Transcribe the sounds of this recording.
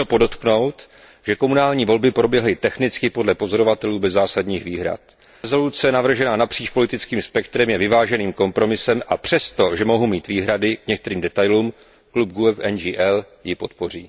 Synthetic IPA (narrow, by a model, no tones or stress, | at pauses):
opo̞do̞t̪kno̞wt̪ | ʒ̥ɛko̞munaːlɲiːvo̞lbɪpɾo̞bjɛɦlɪt̪ɛxnɪt͡skɪpo̞dlɛpo̞zo̞ɾo̞vat̪ɛluːbɛzːaːsadɲiːxviːɦɾa̰t̪̚ | zo̞lut͡sɛnavr̩ʒɛnanapr̥iːt͡ʃpo̞lɪt̪ɪt͡skiːmspɛkt̪ɾɛmjɛvɪvaːʒɛniːmko̞mpɾo̞mɪsɛmʔapr̥ɛst̪o̞ʒɛmo̞ɦumiːt̪viːɦɾadɪkɲɛk̚t̪ɛɾiːmdɛt̪ajluːm | klub̚ɡuɛfɛnd͡ʒiːʔɛl | jɪpo̞t̪po̞riː